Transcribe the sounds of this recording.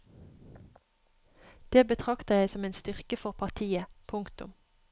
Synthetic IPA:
d̪̥eːbət̪ʰʁɑkt̪əjæɪsɔmeːnst̪ʏʁkəfɔʁpʰɑʁt̪ʰiːəpʰʊŋkt̪ʊ̰m

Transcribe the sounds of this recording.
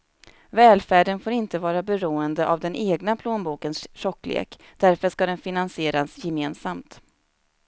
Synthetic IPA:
vɛːlfæːɖənfoːɾɪnt̪əvɑːɾabɛɾuːənd̪əʔavd̪ɛnʔeːɡnapʰloːnbuːkənsʂɔkːlḛːkd̪̥æɾfœʂkad̪ɛnfɪnansɪeːɾasjɛmeːnsamt̪

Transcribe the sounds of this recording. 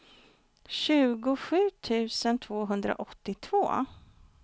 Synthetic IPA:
ɕʉ̟ːɡʊɧʉ̟ːt̪ʰʉ̟ːsənt̪ʰvoːɦɵnd̪ɾa̰ʔɔt̪ːɪt̪ʰvoː

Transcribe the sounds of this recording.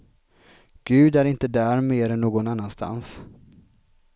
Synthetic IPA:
ɡ̥ʉ̟ːd̪æɾɪnt̪əd̪æɾmeːd̪ɛnːoːɡɔnanːanst̪ʰa̰ns

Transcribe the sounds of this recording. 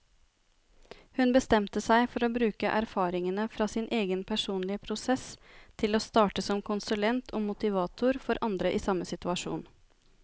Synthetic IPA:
hʉnbəst̪ɛmt̪əsæɪfɔɾoːbɾʉːkəʔæɾfɑːɾɪŋənəfɾɑːsɪnʔeːɡənpʰæʂuːnlɪəpʰɾʊsɛst̪ʰɪloːst̪ɑːʈəsɔmkʰʊnsʉlɛnt̪ʰoːmʊt̪ɪʋɑːt̪ʰʊɾfɔɾʔɑnd̪ɾəʔiːsɑmːəsɪt̪ʉɑʂṵːn

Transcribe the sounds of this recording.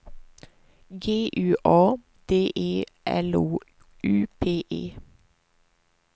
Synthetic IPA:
ɡeːʔʉːʔɑː | d̪̥eːʔeːʔɛ̰luː | ʉːpʰeːʔḛː

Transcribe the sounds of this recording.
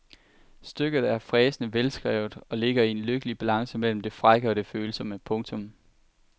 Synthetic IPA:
sd̥øɡ̥ð̞̩ˠæɐfʁɛːsənəʋelsɡ̥ʁɛ̰ʊð̩ˠɒ̽le̝ɡ̥ɐienløɡ̥əlib̥ælɑ̈ŋsəmel̰m̩d̥e̝fʁaɡ̥əɒ̽d̥e̝føːl̩sɒ̽məpʰɔ̽ŋt͡sʰɔ̽m

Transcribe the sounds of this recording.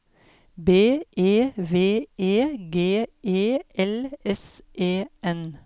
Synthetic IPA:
beːʔeːʋeːeːɡeːʔeːɛlɛsʔeːʔɛn

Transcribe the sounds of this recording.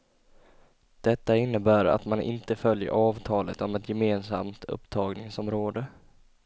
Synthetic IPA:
d̪̥ɛt̪ːaɪnːəbæːɾa̰t̪manʔɪ̰nt̪əfœljə̰ɾʔɑːvt̪ʰɑːlət̪ɔmɛt̪jɛmeːnsa̰mt̪ʰɵ̰pːt̪ʰɑːɡnɪŋsɔmɾoːd̪ə

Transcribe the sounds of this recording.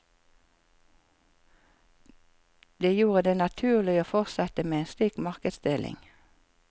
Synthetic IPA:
d̪eːjuːʁəd̪eːnɑt̪ʰʉːʁlɪoːfɔʁsɛt̪əmeːeːnsliːkmɑʁkəd̪sd̪elʔɪ̰ŋ

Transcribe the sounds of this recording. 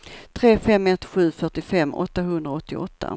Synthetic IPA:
t̪ʰɾeːfɛmːɛt̪ɧʉ̟ːfœʈɪfɛmːɔ̰t̪ːaɦɵnd̪ɾaɔt̪ːɪɔt̪ʰːa̰

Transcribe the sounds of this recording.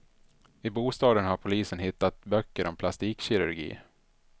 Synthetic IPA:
ɪbuːst̪ɑːd̪ənhaɾpʰʊliːsənɦɪt̪ːat̪̚bœkːəɾʔɔmpʰlast̪iːkɕɪɾɵɾɡḭː

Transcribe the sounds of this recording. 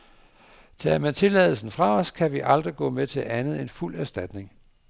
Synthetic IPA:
t͡sʰe̝læmænt͡sʰe̝lɛ̰ðˠl̩sn̩fʁɑ̈ɒskʰæʋiʔɑ̈ld̥ʁiɡ̥ɔ̰̽ːmet͡sʰe̝lʔænð̞̩ˠe̝nful̰æɐsd̥æd̥ne̝ŋ

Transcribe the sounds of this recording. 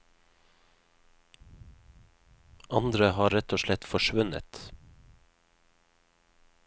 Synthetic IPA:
ʔɑnd̪ɾəhɑːɾɛt̪oːʃlɛt̪fɔʃʋʉnə̰t̪

